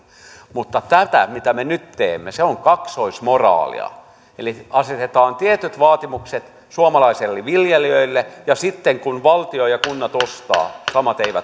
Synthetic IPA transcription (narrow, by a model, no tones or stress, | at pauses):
mut̪ːɑt̪æt̪æ̰mit̪æmenyt̪teːmːeseoŋkɑksoismorɑ̰ːlḭɑ̰ | eliɑset̪et̪ɑːnt̪iet̪yt̪ʋɑːt̪imukset̪ | suomɑlɑiselːiʋiljeliøilːejɑsit̪ːeŋkunʋɑlt̪iojɑkunːɑt̪ost̪ɑ̰ːsɑmɑt̪eiʋæt̪